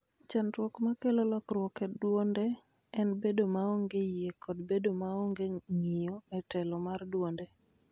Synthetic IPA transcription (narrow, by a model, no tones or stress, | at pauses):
t͡ʃantwɔkmakelolɔkɾwɔkɛdwondɛ | ɛnbedomaoŋɡejjekʰɔdbedomaoŋɡeŋɪjoɛtɛlɔmardwondɛ